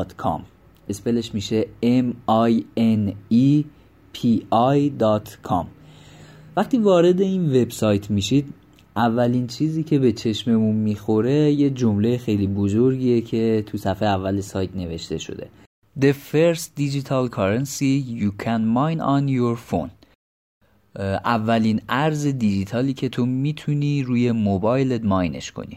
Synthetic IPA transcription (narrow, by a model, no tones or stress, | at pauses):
t̪kʰɒ̰m | ʔe̞spe̞le̞ʃmiːʃe̞emɒjeni | pʰiɒjd̪ɒt̪ʰkʰɒ̰m | væχt̪ʰiːvɒːɾe̞d̪e̞inve̞bsɒjt̪ʰmiʃid̪ | ʔævːæliːnt͡ʃʰiːziːcʰe̞be̞t͡ʃʰe̞ʃme̞munmixo̞ɾe̞je̞d͡ʒo̞mlejexe̞jliːbo̞zoɾɟiːecʰe̞t̪ʰusæfejeævːælesɒːjt̪ne̞ve̞ʃt̪e̞ʃo̞̰d̪e̞̰ | d̪e̞feɾst̪d̪id͡ʒit̪ʰɒlkʰɒɾensijuːkʰænmɒjnɒnjoɾfo̰n | ʔævːælinæɾze̞d̪id͡ʒit̪ʰɒːliːcʰe̞t̪ʰo̞miːt̪ʰuniːɾuːje̞mobɒːjled̪mɒjne̞̰ʃkʰo̰nḭ